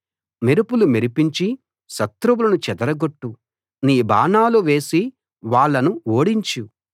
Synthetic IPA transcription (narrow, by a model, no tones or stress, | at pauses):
meɾupulumiɾipiɲt͡ʃi | ʃɐt̪ɾuwulɐnut͡ʃɛd̪ɐɾɐɡoʈːu | niːba̰ːnaːluʋe̞ːsi | ʋaːɭːɐnuoːɽiɲt͡ʃu